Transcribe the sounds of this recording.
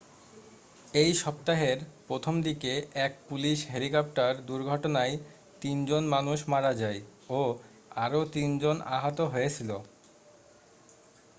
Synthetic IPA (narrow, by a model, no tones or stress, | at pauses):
ejʃɔpt̪aɦeɾpɾot̪ʰomd̪ikeɛk̚puliʃɦelikɔp̚ʈaɾd̪uɾɡʱɔʈonaj | t̪ind͡ʑonmanuʃmaɾad͡ʑajo | aɾot̪ind͡ʑona̰ɦat̪oɦojet͡ɕʰilo